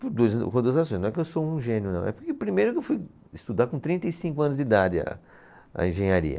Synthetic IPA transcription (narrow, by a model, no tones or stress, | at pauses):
pʊɾd̪ujzkõd̪uɐzasõj̃nɐ̃ɛkɪewsoũʒẽnjʊnɐ̃w̃ɛpʊɾkepɾimejɾʊkɪewfuj | st̪ud̪aɾkõt̪ɾĩnt̪ɐjsĩŋkʊɐ̃nʊzd͡ʒid̪ad͡ʒɪɐ̰ | ɐ̰ẽʒẽɲaɾḭɐ̰